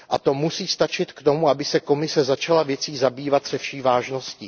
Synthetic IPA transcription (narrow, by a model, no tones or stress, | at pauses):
ʔat̪o̞musiːst̪at͡ʃɪt̪kt̪o̞muabɪsɛko̞mɪsɛzat͡ʃalavjɛt͡siːzabiːvat̪sɛfʃiːvaːʒno̞sciː